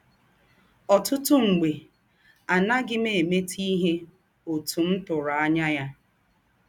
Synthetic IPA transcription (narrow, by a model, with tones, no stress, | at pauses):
ɔ˨tʊ˦tʊ˦ŋ͡m̩˨ɡ͡be˨ | a˨na˦ɡɪ˦me˨e˨me˦tʰi˦ɦe˦ | o˨tu˨n̩˦tʊ˨ɾa˨a˦ɲa˦ja˦